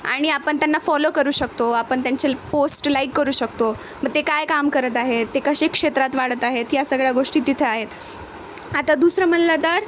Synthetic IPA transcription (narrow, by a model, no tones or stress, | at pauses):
a̰ɽ̃iapəɳt̪janːafɔlokəɾuːɕək̚t̪oapəɳt̪jaɲt͡ɕeposʈlajkːəɾuːɕəkt̪o | məɡ̚t̪ekajkamkəɾət̪aɦet̪ːekəɕekʂet̪ɾat̪ʋaɽət̪aɦet̪jasəɡɭjaɡoʂʈiːt̪it̪ʰeaɦet̪ | at̪ad̪usɾəm̤ənlət̪əɾ